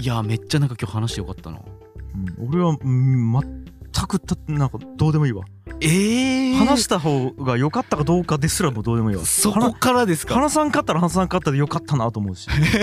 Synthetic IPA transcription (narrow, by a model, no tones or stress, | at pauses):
iame̞t͡ɕːanãŋkakʲoːhanaɕijo̞kat̪ːa̰no̰ | ɯ̟̃ɴo̞ɾe̞βamat̪ʰːakɯ̟t̪ːanãŋkad̪̥o̞ːd̪e̞mo̞iːβa̰ | ehanaɕɕi̥t̪aɦo̞ːɡajo̞kat̪ːakad̪o̞ːkad̪e̞sɨɾamod̪o̞ːd̪e̞mo̞iːβa̰soakokaɾad̪esɨ̥kahanasãŋkat̪ːaɾahanas̬ãŋkat̪ːad̪ejo̞kat̪ʰːanat̪oːmo̞ɯ̟ɕi̥